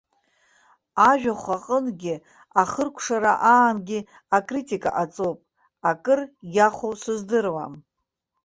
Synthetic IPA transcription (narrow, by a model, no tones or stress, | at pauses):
aʒᶣaχʷaqʼənɡʲɪ | aχərkʷʰʂaɾa̰ʔaːmɡʲi | akʼritʼikʼa̰ʔat͡sʼopʼ | akʼɨrjaχʷosɨzdɨrwa̰m